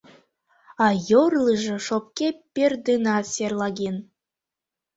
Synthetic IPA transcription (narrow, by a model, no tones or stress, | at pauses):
ɑjorlˠɯʒɤ̆ʃop̚kʲepʲerd̪ɨnɑsʲerlˠɑɡen